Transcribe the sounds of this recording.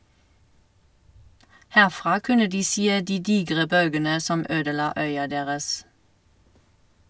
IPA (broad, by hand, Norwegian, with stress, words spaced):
ˈhæʁˌfʁɑː ˈkʉnə ˈdiː ˈseː ˈdiː ˈdiːɡʁə ˈbœlɡənə ˈsɔm ˈøːdəˌlɑː ˈœʏɑ ˈdeːʁəs